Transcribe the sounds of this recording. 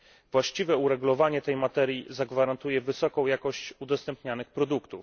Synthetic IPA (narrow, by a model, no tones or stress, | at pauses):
vwaɕt͡ɕivɛuɾɛɡulɔvaɲɛt̪ɛjmat̪ɛɾjizaɡvaɾant̪ujɛvɘsɔkɔ̃w̃jakɔɕt͡ɕud̪ɔst̪ɛmpɲanɘxpɾɔd̪ukt̪uf